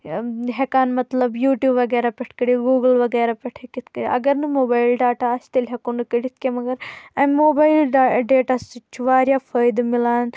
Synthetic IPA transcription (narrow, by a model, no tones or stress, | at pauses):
ɦekaːnmɐt̪lɐbjuːʈjuːbʋːɐɡeːɾapʲɛʈʰkɐɽiɡuːɡəlʋɐɡeːɾapʲɐʈʰekit̪ʰkɐɾiʔɐ̰ɡɐɾnɨmoːbaːjlɖaːʈaɐst̪ɐlʲɦekonɨkɐɽit̪̚ʰkemɐɡɐɾɐmoːbaːilɖɖeːʈasit͡ʃʰuʋaːɾjafʰɐjd̪milaːn